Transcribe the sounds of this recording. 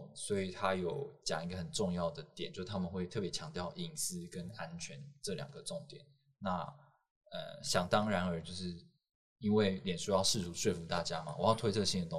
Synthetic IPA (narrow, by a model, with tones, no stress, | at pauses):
swɔ˧˥i˨˩t̪ʰa˥jo˨˩ʊt͡ɕjɑ˨˩ŋi˧˥ɡə˨xə˨˩nʈ͡ʂʊ˥˧ŋjɑ˥˩ʊd̪ə˩t̪jɛ˨˩˦nt͡ɕjʂ̩˥˩t̪ʰa˥mə˨nxwe˥˧ɪt̪ʰɤ˥˩pjɛ˧˦t͡ɕʰjɑ˧˥ŋt̪jɑ˥˨˩ʊʔi˨˩ŋsɹ̩˥kə˦na˦nt͡ɕʰɥɛ˧˦nʈ͡ʂɤ˥˩ljɑ̰˨˩ŋɡə˦ʈ͡ʂʊ˥˩ŋt̪jɛ̰˨˩˦n | na˥˩ | ə̰˨˩ɕjɑ˨˩ŋt̪ɑ˥ŋɻa˧˥nə˞˧˥t͡ɕjo˥˧ʊʂɻ̩˥˩ | i˥nwe˥˩ɪljɛ˨˩nʂu˥jɑ˥˧ʊʂɻ̩˥˩t̪ʰu˧˥ʂwe˥˩ɪfu˧˥t̪a˥˩t͡ɕja˥ma̰˨wɔ˨˩jɑ˥˩ʊt̪ʰwe˥ɪt̪ʰɤ˥˧ɕi˥˩ŋd̪ə˨˩ʊ˥